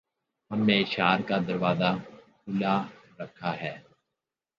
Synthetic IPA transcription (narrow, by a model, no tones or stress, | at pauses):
ɦɐmːẽɪʃaːɾkad̪ɐɾʋaːzakʊlaɾəkʰːaɦɛː